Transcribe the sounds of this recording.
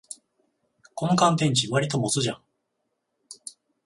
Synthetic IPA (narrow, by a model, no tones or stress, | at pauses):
kõ̞ŋkãnt̪ẽ̞ɲ̟t͡ɕiβaɾʲit̪o̞mo̞t͡sɨʑã̰ŋ